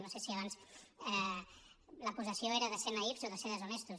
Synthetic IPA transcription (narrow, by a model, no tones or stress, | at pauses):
nosesiəβansɛ | ləkuzəsioeɾəðəsenaipzoðəseɾðəzunɛst̪u